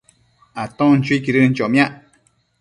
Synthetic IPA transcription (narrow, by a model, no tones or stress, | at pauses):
at̪õnt͡ʃuikiɾɨn̩t͡ʃomj̃ãʔ